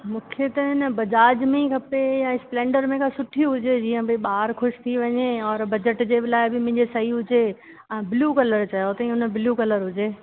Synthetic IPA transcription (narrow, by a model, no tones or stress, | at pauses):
mũːkʰet̪ɐɦɪnəbɐd͡ʑaːd͡ʑmẽkʰɐpejaɪsplẽːɳɖəɾmẽkʰãsʊʈʰijũɦʊd͡ʑed͡ʑiːə̃bɪɓaːɾxʊʃt̪ʰiʋɐɲeɔːɾbɐd͡ʑəʈd͡ʑebɪlaːɪbɪmʊ̃ɦɪ̃ɲd͡ʑesɐɦiɦʊd͡ʑẽ | bɪluːkɐləɾt͡ɕɐjot̪ɐĩʊnəbɪluːkɐləɾɦʊd͡ʑeː